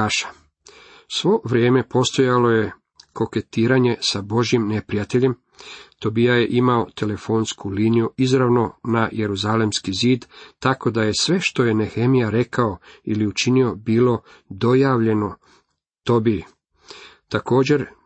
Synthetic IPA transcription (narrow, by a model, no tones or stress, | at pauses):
aʃḁ | sʋo̞ʋɾije̞ːme̞po̞st̪o̞jalo̞je̞ | ko̞ke̞t̪iːɾaɲe̞sabo̞ʒjimne̞pɾijat̪e̞ʎe̞m | t̪o̞bijaje̞ʔimao̞t̪ʰe̞le̞fo̞nskuliːnijuizɾaʋno̞naje̞ɾuzalemskiziːd̪t̪ako̞d̪aje̞sʋe̞ʃt̪o̞je̞nexe̞mijaɾe̞kao̞iliut͡ʃinio̞biːlo̞ | d̪o̞jaːʋʎe̞no̞ | t̪o̞bi | t̪ako̞ːd͡ʑe̞ɾ